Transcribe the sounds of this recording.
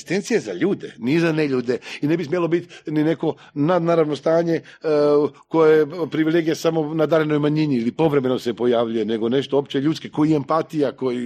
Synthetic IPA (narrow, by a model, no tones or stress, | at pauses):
st̪e̞nt̪sijeza̰ʎuːd̪enizane̞ʎuːd̪e̞ine̞bismʲjelo̞bit̪nine̞ko̞ | nad̪naːɾaʋno̞st̪aːɲe̞ | ko̞jajepɾiʋilˠeːɡijasamo̞nad̪aɾeno̞jmaɲiniilipo̞ʋɾe̞me̞no̞se̞po̞jaʋʎuje̞ne̞ɡo̞ne̞ʃt̪oopt͡ʃeʎuːt̪skekojiempat̪ijako̞ji